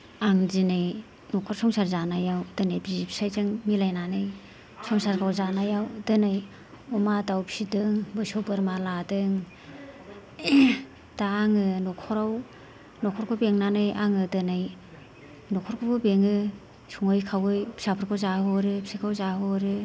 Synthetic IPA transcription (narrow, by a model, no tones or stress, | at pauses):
aŋzinɯj | nɔkʰɔɾsɔŋsaɾzanajawdɯnajbizpʰi̥sajzɯŋmilajnanɯj | sɔŋsaɾkʰawzanajawdɯnaj | ɔmadawpsidɯŋbɯsobɯɾmaladɯŋ | d̥aːŋɯnɔkʰɔɾaw | nɔkʰɔɾkʰɔbeŋnanɯjʔaŋɯdɯnɯj | nɔkʰɔɾkʰɔkʰɯbeŋɯ | suŋɯjkʰawɯjpi̥sapʰɯɾkʰɔzahɔɾɯpʰi̥sikʰawzaɦɔɾɯ